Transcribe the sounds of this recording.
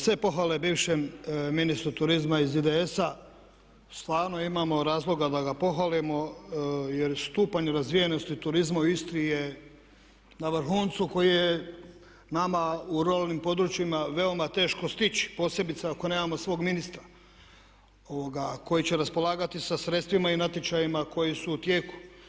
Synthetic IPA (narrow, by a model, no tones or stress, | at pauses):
sʋe̞po̞xʋale̞biːʋʃemminist̪ɾut̪uɾizmaizid̪ee̞sa | st̪ʋaːɾnoimaːmo̞ɾaːzlˠo̞ɡad̪aɡapo̞ɦʋalimo̞ | jeɾst̪uːpaɲeɾazʋijeno̞st̪it̪uɾizmaist̪ɾije̞ | naʋrɾxuːnt̪suko̞jije | namauɾualnimpo̞d̪ɾut͡ʃimaʋe̞o̞mat̪e̞ːʃko̞st̪it͡ɕi̥po̞ːsje̞bit̪saako̞ne̞ːmamo̞sʋo̞ːɡminist̪ɾa | o̞ʋoɡako̞jit͡ɕeɾaspo̞laːɡat̪isasɾe̞t̪st̪ʋimainat̪et͡ʃajimako̞jisuːt̪je̞ːku̥